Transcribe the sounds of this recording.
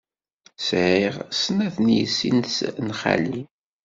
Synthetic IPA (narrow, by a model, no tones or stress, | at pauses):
sʕiʁsnæθnjəsːḭnsnχa̰li